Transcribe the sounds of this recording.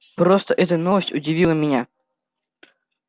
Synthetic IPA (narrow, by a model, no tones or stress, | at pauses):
pɾost̪əʔɛt̪ənovəsʲtʲʊdʲɪvʲilˠəmʲɪnʲa